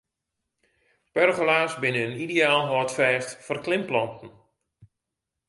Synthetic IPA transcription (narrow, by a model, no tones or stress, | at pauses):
pɛrɣolaːsbɪnəənidejaːlˠɦɔtfɛːstfɔrklɪmplɔntən̩